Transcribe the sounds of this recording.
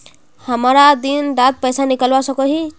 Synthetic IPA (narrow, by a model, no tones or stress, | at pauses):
hamɾad̪inɾat̪̚pʌjsanikʌlbasʌkɔɦi